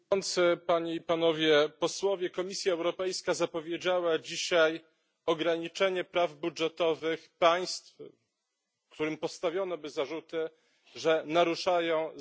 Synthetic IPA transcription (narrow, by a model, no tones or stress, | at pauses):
ɔnt̪sɘpaɲeipanɔvʲjɛpɔswɔvʲjɛkɔmʲisʲjaɛwɾɔpɛjskazapɔvʲjed͡ʑawad͡ʑiɕaj | ɔɡɾaɲit͡ʂɛɲɛpɾavbudʐɛt̪ɔvɘxpaj̃st̪f | kt̪uɾɘmpɔst̪avʲjɔnɔbɘzaʐut̪ɘ | ʐɛnaɾuʂajɔ̃w̃